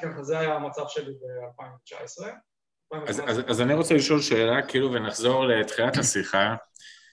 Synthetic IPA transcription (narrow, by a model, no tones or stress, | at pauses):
kaχazeajamat͡savʃelibealpaĩmvet͡ʃa̰esʁe | alpaĩvaazazaniʁo̞t͡seliʃo̞lʃe̞ːlakiiluvenaχzo̞ʁle̞t̪χiathasiχa